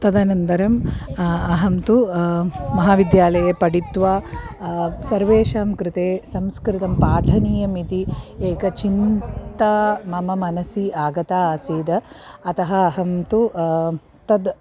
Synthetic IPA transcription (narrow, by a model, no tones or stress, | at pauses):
t̪ɐd̪ɐnɐnd̪ɐɾɐm | ɐɦɐmt̪u | mɐɦaːʋid̪jaːlɐjɐpɐɽit̪ʋaː | sɐɾʋeːʃaːmkɾɪt̪eːsɐmskɾit̪ɐmpaːʈʰɐniːjɐmit̪ieːkɐt͡ʃint̪ɐmɐmɐmɐnɐsiaːɡɐt̪aːaːsiːd̪ɐːt̪ɐɦɐɐɦɐmt̪u | t̪ɐd̪